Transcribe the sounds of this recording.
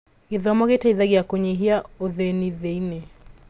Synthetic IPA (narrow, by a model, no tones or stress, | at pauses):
iðɔmɔɣɛtaiðaɡiakɔɲiɦiaɔðɛniðɛinɛ